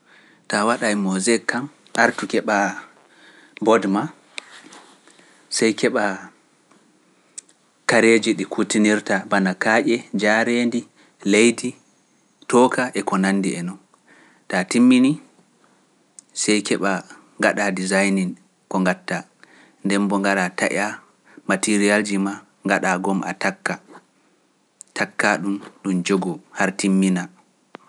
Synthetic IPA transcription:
tawaɗajmɔzɛkːam | ʔaɾtukɛɓa | bɔdma | sɛjkɛɓa | kaɾed͡ʒiɗikʰutiniɾtabanakaːʔɛd͡ʒaɾendi | lejdi | tɔkʰaʔɛkɔnanːdiɛnɔn | tatimːini | sɛjkɛɓa | ŋɡaɗadizajnin | kɔŋɡatːa | ndɛmbɔŋɡaɗataʔa | matiɾiald͡ʒima | ŋɡaɗaɡɔmʔa̰takːa | tʰakːaɗumɗumd͡ʒoɡɔhaɾtimːina

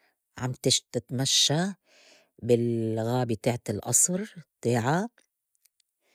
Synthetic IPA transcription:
ʕa̰mt̪ɪʃt̪ɪt̪maʃːa | bɪlɣaːbit̪aːʕat̪ɪlʔɑ̰sˤɾt̪aːʕa

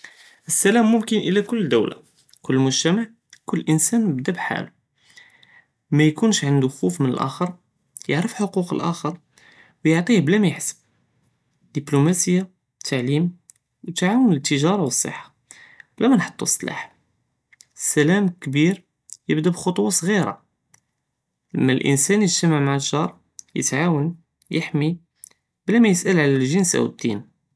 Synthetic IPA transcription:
ʔəsːælæmːʊmkənʔəlækʊlːd̪əwla̰ | kʊlːəlmʊʒt̪æmaʕ | kʊlːʔənsænəbd̪æbħa̰lu | mæjkunʃʕənd̪uxufmənə̰lʔæ̰xəɾˤ | jəʕɾəfħoquqə̰lʔæxəɾˤ | wjəʕt̪ˤiblæmæjħsə̥b̚ | d̪iblumæsəjːa | t̪ʰːaʕlim | wt̪ʕawənət̪ːəʒɑɾˤɑwəsˤːə̰ħːḁ | blæmænħo̥t̪ˤːusˤːlɑ̰ħ | sælæmkbiɾ | jəbd̪æbxot̪ˤwɑsˤɣiɾɑ̰ | ləmːælʔə̰nsænjəʒt̪əmaʕmaʕəʒɑɾˤ | jə̰t̪ʕawən | jəħmi | blæmæjəsʔəlʕlælʒənsæ̰wəd̪ːḭn

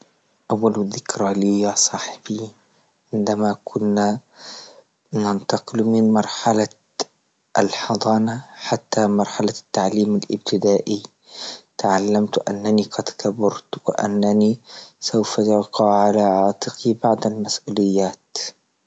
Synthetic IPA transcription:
ʔawːalðɪkɾaliːjasˤɑːħɪbi | ʕɪnd̪amakʰʊnːa | nant̪ɑqɨlmɪnmɑɾˤħala | ʔalħɑd̪ˤɑːnaħat̪ːamɑɾˤħalat̪ːaʕliːmalʔɪ̰b̚t̪ɪd̪aːʔi | t̪aʕalːamt̪ʔa̰nːaniqɑd̪kabɑɾˤt̪wɪ̰ʔa̰nːanisawfajɑqɑʕalaʕɑːt̪ˤɨqibaʕd̪almasʔuːlɪjːaːt̪

